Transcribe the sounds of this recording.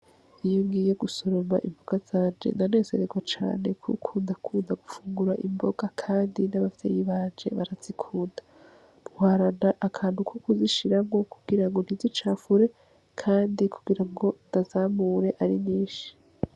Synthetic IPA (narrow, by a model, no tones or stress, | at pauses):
ijoŋɡiːje̞ɡuso̞ɾomaʔḭmbo̞ɡ̥az̥aːnd͡ʒe̞̰nane̞ːze̞ɾeɡwat͡ʃa̰ːne̞kʰṵkʰuːndakʰuːndaɡ̥ufuːŋɡuɾaʔimbo̞ɡ̥akʰaːndinaβafitḛjiβaːnd͡ʒe̞̰βaɾaz̥ikʰuːndḁ | muhaːɾanaʔakʰaːnhukʰukuziʃiɾamo̞ku̥ɡ̥iɾaŋɡo̞n̥hizit͡ʃaːfuɾe̞ | kʰaːndikʰu̥ɡiɾaŋɡo̞ndazaːmuɾe̞ʔaɾiniːʃi̥